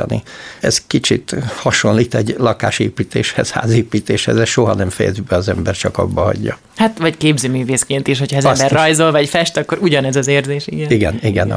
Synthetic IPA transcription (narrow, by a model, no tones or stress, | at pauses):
ɒ̰nḭɛskit͡ʃit̪hɒʃonliːt̪ɛɟlɒkaːʃeːpiːt̪eːʃhɛz̥ha̰ːzeːpiːt̪eːʃhɛ̰zɛsʃo̞ɦɒnɛmfɛjɛ̰zybɛɒzɛmbɛrt͡ʃɒkɒ̰bːɒɦɒ̰ɟːɒ | hat̪vɒckeːbzøːmyːveːskeːnt̪iʃ̬hocʰɒɛzɛmbɛrːɒjzolvɒcfɛʃt̪ɒkːo̞ɾuɟɒnɛzɒzeːrzeːʃḭɡɛniɡɛniɡɛn